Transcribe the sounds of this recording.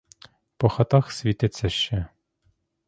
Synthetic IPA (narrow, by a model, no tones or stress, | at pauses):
pɔxɐt̪ɑxsʲʋʲit̪ɪt̪sʲːɐʃt͡ʃɛ